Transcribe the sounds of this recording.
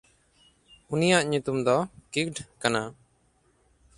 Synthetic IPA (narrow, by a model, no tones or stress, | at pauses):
unijaʔɲut̪umd̪ɔkikɖkana